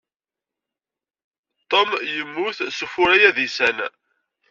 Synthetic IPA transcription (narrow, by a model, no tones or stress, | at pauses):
t̪ˤːomjəmːʊθsufʊɾæjæðisæn